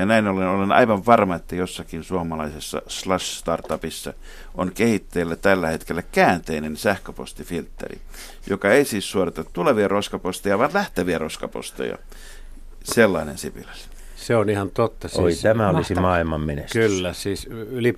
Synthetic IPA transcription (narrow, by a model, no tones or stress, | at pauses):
jɑnæinolenolenɑ̰iʋɑʋʋɑrmɑet̪ːæjosːɑkinsuɑmɑlɑisesːɑ̰slɑsst̪ɑrt̪ɑpisːɑ̰ | onkehit̪ːeilːæt̪ælːæhet̪kelːækæːnt̪einensæhkøpo̰st̪ifilt̪ːḛrḭ | jokɑeisiːssuorɑt̪ɑtt̪uleʋiɑroskɑpost̪ejɑʋɑnlæht̪æʋiæroskɑpo̰st̪ḛjɑ̰ | selːɑinḛnsipilæ̥s | seonihɑnt̪ot̪ːɑsoit̪æmæolisimɑːilmɑmmeneskylːæsiːsyli